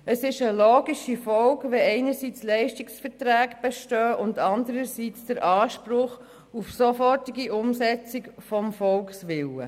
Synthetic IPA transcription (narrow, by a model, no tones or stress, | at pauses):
əsɪʃəloːɡiʃifɔlkʋɛɛɪnəɾsiːt͡slɛɪʃtiksfətɾæːkb̥ɛʃtœːʔʊndɑndəɾəsiːt͡sd̥əɾʔɑːʃpɾʊχ | ufsofɔrtiɡiʔʊmsɛt͡sɪkfɔmfɔlksʋɪlə̰